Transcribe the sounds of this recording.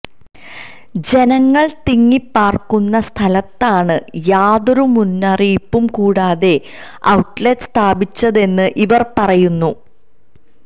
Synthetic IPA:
d͡ʑe̞nɐŋːɐɭt̪iŋːipːaːrkunːɐst̪ʰɐlɐt̪ːaːɳɨjaːðoɾumunːɐripːumkuːɽaːðe̞ | ɐwʈletst̪ʰaːbit͡ɕːɐðe̞nːɨʔiʋɐrpɐrɐjunːu

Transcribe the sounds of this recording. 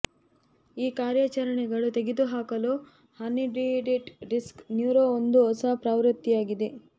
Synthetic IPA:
iːkaːɾjat͡ʃɐɾɐɳɛɡɐɭut̪e̞ɡed̪uɦaːkɐloː | hɐniɖiɖiʈɖisknjuːɾoond̪uɔsaːpɾaːʋɾɐt̪ːijaːɡid̪e̞

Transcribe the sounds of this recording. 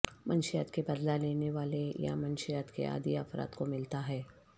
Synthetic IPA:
mɐnʃijət̪kebɐd̪laleːneʋaːleja̰mɐnʃijət̪kḛʔa̰ːd̪iəfɾa̰ːt̪komɪlt̪aɦɛː

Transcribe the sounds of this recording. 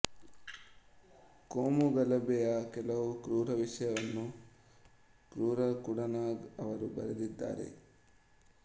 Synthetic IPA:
koːmuɡɐlɐbɛjɐkɛlɐʋukɾuːɾɐʋiʂɐjɐʋɐnːu | kɾuːɾɐkuɽɐnaːɡɐʋɐɾubɐ̰ɾed̪id̪ːa̰ːɾe̞̰

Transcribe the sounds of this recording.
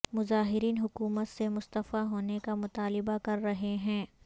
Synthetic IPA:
mʊzaːɦɪɾiːnɦʊkuːmət̪semʊst̪əfaɦoːnekamʊt̪aːlɪbakɐɾːɐɦeɦɛ̃ː

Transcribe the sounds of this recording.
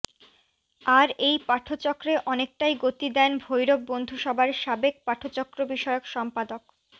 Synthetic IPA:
aɾejpaʈʰːot͡ɕɔkːɾeʔɔnek̚ʈajɡot̪id̪ɛnbʱojɾob̚bond̪ʱuʃɔbʱaɾʃabek̚paʈʰot͡ɕɔkːɾobiʃɔeokʃɔmpad̪ok

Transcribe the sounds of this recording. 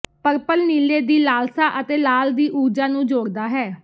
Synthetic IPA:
pəɾpəlniːleːd̪iːlaːlsaːʔət̪eːlaːld̪iːʔuːd͡ʒaːnũːd͡ʒoːɾd̪aːɦɛː

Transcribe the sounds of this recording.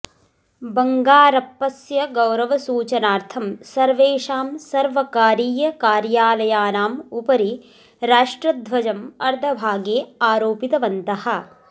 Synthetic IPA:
bɐŋɡaːɾɐpːɐsjɐɡɐwɾɐʋɐsuːt͡ʃɐnaːɾt̪ʰɐmsɐɾʋeːʂaːmsɐɾʋɐkaːɾiːjɐkaːɾjaːlɐjaːnaːmupɐɾi | ɾaːʂʈɾɐd̪ʱʋɐd͡ʒɐmɐɾd̪ʱɐbʱaːɡeːaːɾoːpit̪ɐʋɐnt̪ɐhɐ̆

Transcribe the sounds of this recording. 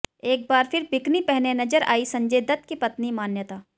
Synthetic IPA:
eːk̚baːɾfɪɾbɪknipɛɦnenɐd͡ʒəɾa̰ːisɐ̃ɲd͡ʒed̪ɐt̪̚kepɐt̪nimaːnjət̪aː

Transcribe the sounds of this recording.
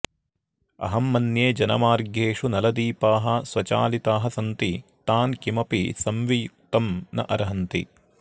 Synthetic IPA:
ɐ̰ɦɐmːɐnjeːd͡ʒɐnɐ̰maːɾɡʱeːʂunɐlɐd̪iːpaːɦɐ̆sʋɐt͡ʃa̰ːlit̪aːɦɐsɐnt̪it̪aːnkimɐpḭsɐmʋijuk̚t̪ɐmnɐ̰ʔɐɾɐɦɐnt̪ḭ

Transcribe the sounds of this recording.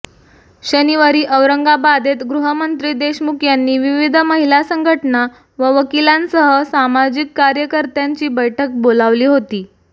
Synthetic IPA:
ɕəniʋaɾiːʔəʋɾəŋɡabad̪ʱet̪ɡɾuɦəmənt̪ɾiːd̪eɕmukʰjanːiːʋiʋid̪ʱməɦilasəŋɡʱəʈna | ʋəʋəkilãnsəɦəsamad͡ʑikːaɾjəkəɾt̪jaɲt͡ɕiːbəjʈʰək̚bolaʋliːɦot̪iː

